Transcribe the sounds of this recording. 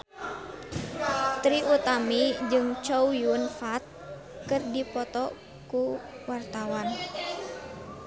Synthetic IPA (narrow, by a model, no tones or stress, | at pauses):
t̪ɾiʔut̪amid͡ʒɨŋt͡ʃowjunfat̪̚ | kɨrdipɔt̪ɔ | ku | wart̪awan